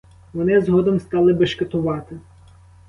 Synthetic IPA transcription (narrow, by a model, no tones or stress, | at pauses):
ʋɔnɪzɦɔd̪ɔmst̪ɑlˠɪbɐʃkɪt̪ʊʋɑt̪ɪ